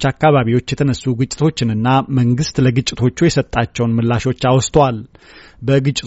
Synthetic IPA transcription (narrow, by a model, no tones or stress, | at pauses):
t͡ʃːakːaβaβiwo̞t͡ʃːjɛt̪ʰənəsːuɡɨt͡ʃʼːɪ̥t̪ʰo̞t͡ʃːɪnɨnːaməŋɡɨst̪ləɡɨt͡ʃʼːɪt̪ʰo̞t͡ʃːujɛsət̪ʼːat͡ʃːɛwnmɨlːaʃo̞t͡ʃːawst̪ʰwal | bəɡɨt͡ʃʼɪt̪